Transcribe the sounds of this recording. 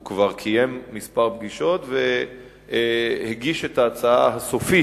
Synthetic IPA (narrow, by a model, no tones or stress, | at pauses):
ukvaʁkʰije̞mːispaʁbɡiʃo̞t̪ve | heɡiʃe̞taːt͡saa̰ɦaso̞fi